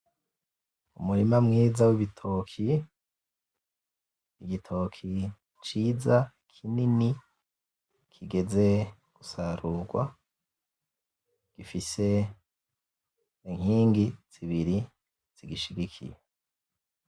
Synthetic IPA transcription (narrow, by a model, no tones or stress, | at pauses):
umuɾimamŋiːzawiβitʰo̞kʰi | iɡitʰo̞kʰi | t͡ʃiːza | kʰinini | kʰiɡe̞ze̞ | ɡ̥usaɾuɡwa̰ | ɡ̥ifise̞ | iŋ̥hiːŋɡiz̥iβiɾi | z̥iɡiʃiɡikʰḭje